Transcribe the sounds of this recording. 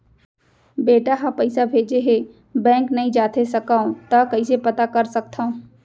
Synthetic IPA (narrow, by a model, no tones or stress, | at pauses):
beːʈaɦapɐɪsabʱeːd͡ʒeɦe | bɛ̃ːŋknɐɦĩd͡ʒaːt̪ʰesɐkaːõt̪ɐkɐisepɐt̪akɐɾsɐk̚t̪ʰaõ